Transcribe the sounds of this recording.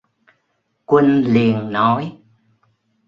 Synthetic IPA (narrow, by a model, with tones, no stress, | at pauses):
kwə˧nli˨˩ənːɔ˨˦j